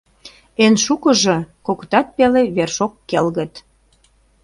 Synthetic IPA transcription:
enʃukə̆ʒɤ̆kokt̪ɑt̪̚peleβerʃokːelɣə̆t̪

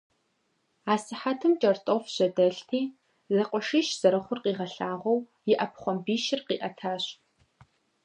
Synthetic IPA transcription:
aːsɨħatʰɨmt͡ʃʼɐrtʼofɕɐdɐɬtʰiː | zɐqʷɔʂiːʃz̥ɐɾɐχʷʊrqiːʁɐɬaːʁʷɔw | jɪʔɐpʰχʷɔmbiːʃɪrqiːʔɐtʰaːɕ

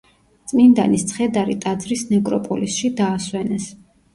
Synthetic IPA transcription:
t̪sʼmind̪anist̪sʰχɛd̪aɾit̪ʼad̪zɾisnɛkʼɾɔpʼɔlisʃid̪aːswɛnɛs

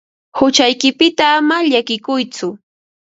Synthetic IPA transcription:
hʊt͡ʃajkɪpɪt̪aːmaʎakɪkʊjt͡sʊ

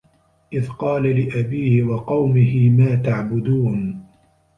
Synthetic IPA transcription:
ʔɪðqɑːlalɪʔabiːhɪwɑqɑwmɪɦɪmaːt̪aʕbʊd̪uːn

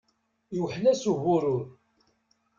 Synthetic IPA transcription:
juwħlæsuɣʊɾʊɾ

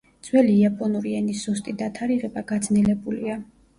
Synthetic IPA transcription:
d̪z̥wɛliːapʼɔnuɾiɛnisust̪ʼid̪at̪ʰaɾiʁɛbaɡad̪znilɛbulia

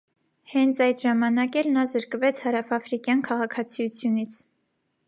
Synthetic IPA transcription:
hɛnt͡sʰɑjd̪ʒɑmɑnɑkɛlnɑzəɾkvɛt͡sʰhɑɾɑfɑfɾikjɑnkʰɑʁɑkʰɑt͡sʰijut͡sʰjunit͡sʰ

